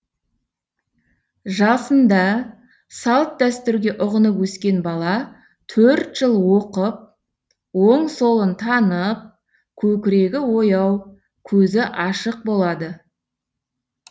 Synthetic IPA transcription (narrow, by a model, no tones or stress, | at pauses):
ʒɑsənd̪ɑ | sɑlˠt̪̚d̪æst̪ʏɾɡʲe̞ʔʊʁənəpwɵskʲe̞nbɑlˠɑ | t̪ʰɵɾt̪ʒ̥əlˠwoqəp̚ | woɴso̞lˠənt̪ʰɑnəp̚ | kʲʰɵkʲɪɾe̞ɡʲɪwo̞jɑw | kʲʰɵzɪʔɑʃəq̚bo̞lˠɑd̪ə